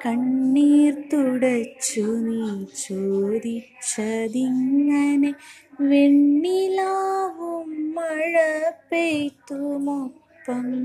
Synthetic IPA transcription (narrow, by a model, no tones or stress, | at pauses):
kɐɳːiːɾt̪uɽɐt͡ʃːunit͡ʃuːd̪i | t͡ʃːɐd̪iŋɐne | ʋeɳːilaːʋumɐɻɐpejt̪umɔpːɐm